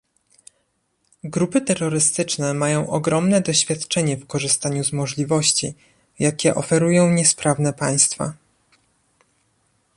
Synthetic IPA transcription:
ɡɾupɘt̪ɛɾːɔɾɘst̪ɘt͡ʂnɛmajɔ̃w̃ʔɔɡɾɔmnɛd̪ɔɕfʲjat̪t͡ʂɛɲɛfkɔʐɘst̪aɲuzmɔʐlʲivɔɕt͡ɕi | jakʲɛʔɔfɛɾujɔ̃w̃ɲɛspɾavnɛpaj̃st̪fa̰

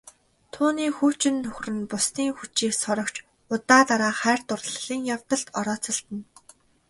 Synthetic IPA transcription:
t̪ʰuːniːxuːt͡ɕɪ̆nːɵxrɘ̆npʊsniːŋxut͡ɕiːksɔɾɞ̆kt͡ɕ | ʊt̪aːt̪aɾaːχæːr̥t̪ʊrɮɮ̥iːŋjaw̥t̪ə̆ɬt̪ɔɾɔːt͡sɞ̆ɬt̪ə̆n

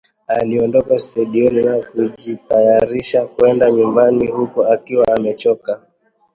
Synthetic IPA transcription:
aliɔndɔkastaɗiɔninakuʄitajaɾiʃakwɛndaɲumbanihukuakiwaːmɛt͡ʃɔka

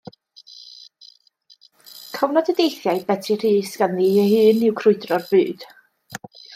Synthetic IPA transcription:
kʰɔvnɔdədejθjajbɛdʰir̥iːsɡ̥anðihɨːnɪwkʰrʊɨdrɔrbɨːd̥

